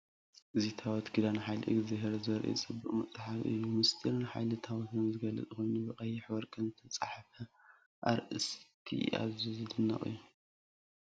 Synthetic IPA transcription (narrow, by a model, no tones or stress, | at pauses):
ʔɨzit̪ʰawɔt̪ɡɨd̪anaħajlɨʔɨ̰ɡzaheɾzɐɾʔḭt͡sʼɨbːɨχʼmɐt͡sʼaħafʔɨ̰jːumɨst̪ʰiɾɨnħajlɨt̪ʰawɔt̪ʰɨnzɨɡɐlɨ̰t͡sʼɨxo̞jnubɨχʼɐjiħwɔɾkʼɐnzɨt̪ʰɐt͡sʼaħfɐ | ʔa̰ɾʔɨskʰḭa̰βzizɨd̪ɨnːɐ̰χʼɨ̰jːu